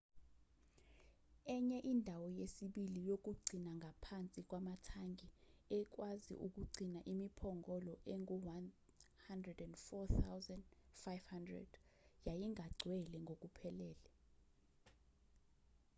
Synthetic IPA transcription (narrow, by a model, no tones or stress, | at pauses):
ɛɲɛʔindʱawɔjesiɓilijok̬ʼuɡ͡ǀʱinaŋɡʱapʰant͡sʼik̬ʼwamatʰaŋɡʱiɛk̬ʼwazḭʔuk̬ʼuɡ͡ǀʱinaʔimipʰɔŋɡʱɔlɔʔeŋɡuwan | handrɛdɛndfɔθawzanfajvhandrɛ̰d̥jajiŋʱaɡ͡ǀʱwɛlɛŋɡʱokʼupʰɛlɛːlɛ